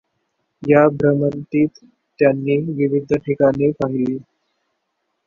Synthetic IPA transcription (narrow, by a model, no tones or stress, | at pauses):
jabʱɾəmənt̪iːt̪ː | janːiːʋiʋid̪ʱəʈʰikanepaɦiliː